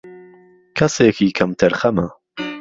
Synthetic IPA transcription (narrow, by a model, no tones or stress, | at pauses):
kʰɐseːkiːkʰɐmt̪ʰɐɾxɐmɐ